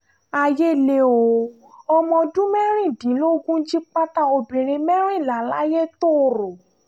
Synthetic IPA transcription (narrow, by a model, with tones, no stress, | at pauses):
a˧je˦˨le˧˦o˨˧ | ɔ˧mɔ̃˧dũ˦mɛ˦ɾ̃ĩ˦˨dĩ˨˦lo˦ɡũ˦d͡ʒi˦k͡pa˦ta˦o˧bĩ˨ɾ̃ĩ˧mɛ˦ɾ̃ĩ˦˨la˨˦la̰˦je˦to˦˨ɾo˨